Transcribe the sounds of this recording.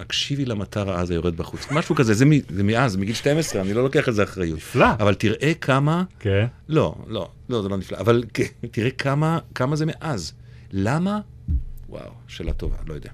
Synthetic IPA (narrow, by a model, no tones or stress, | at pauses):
akʃivilamataʁaazajo̞ʁed̪̚baχut͡smaʃukazezemizemeʔazmiɡilʃte̞mesʁeanilo̞lo̞keaχezeaχʁajut̪flaavaltiʁʔe̞kʰamakenlo̞̰lo̞̰ | lo̞zelo̞nifla̰ʔːvalketiʁekʰamakamazemeʔaz | lama | wa̰w | ʃeːla̰tova̰lo̞jod̪ea